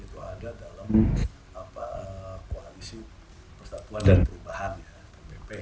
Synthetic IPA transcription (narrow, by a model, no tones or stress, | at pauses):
it̪uadadalam | apaəkoalisi | pərst̪at̪uandanp̪əubahanjapepepe